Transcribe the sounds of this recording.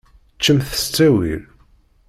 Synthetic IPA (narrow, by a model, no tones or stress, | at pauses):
t͡ʃːəmθə̥st͡sːæwḭɾ